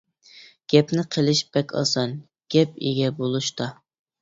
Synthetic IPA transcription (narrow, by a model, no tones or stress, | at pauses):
ɡ̥ʲɛpnɪqʰəlˠɪʃb̥ɛkʲʰɑ̰sɑn | ɡ̥ʲɛp̚ḛɡʲɛbolˠuʃt̪ɑ